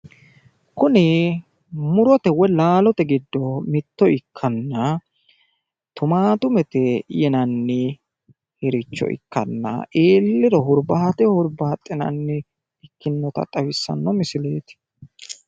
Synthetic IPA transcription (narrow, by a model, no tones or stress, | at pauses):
kʊnɪ | mʊɾɔt̪ɛwɔjlaːlɔt̪ɛɡɪd̪ːɔmɪt̪ːɔɪkʰːɐnːɐ | t̪ʊmaːt̪ʊmɛt̪ɛjɛnɐnːɪ | hɛɾɪt͡ʃːɔ̰ʔɪ̰kːɐ̰nːɐ̰ʔeːlːɪɾɔɦʊɾbɐhɐt̪ɛhʊɾbɐhɐt̪ʼːɪnɐ̰nːɪ | ɪkːɪnːɔt̪ɐ̰t̪ʼɐwɪsːɐ̰nːɔmɪsɪleːt̪ɪ̥